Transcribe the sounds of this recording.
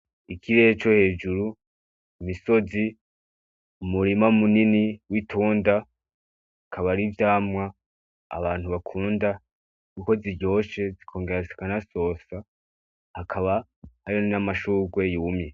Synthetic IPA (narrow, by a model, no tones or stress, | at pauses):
ikʰiɾe̞t͡ʃo̞he̞ːd͡ʒuɾu | imiso̞zi | umuɾimaumuniniwitʰuːnda | kʰaβaɾivjaːmŋa̰ː | βaːn̥uβakʰuːnda | kuko̞ziɾɟo̞ːʃe̞zikʰo̞ːŋɡe̞ɾazikanaso̞ːsa | hakʰaβa | haɾionnamaʃuːɡwe̞juːmje